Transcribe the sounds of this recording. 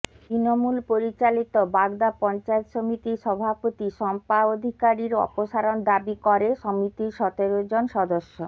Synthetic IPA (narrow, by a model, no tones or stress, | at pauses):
t̪ɾinomulpoɾit͡ɕalit̪obaɡd̪apɔnt͡ɕaet̪ʃomit̪iʃɔbʱapot̪iʃɔmpaod̪ʱikaɾiɾɔ̰poʃaɾond̪abikɔɾeʃɔmit̪iɾʃɔt̪eɾod͡ʑonʃɔd̪oʃːo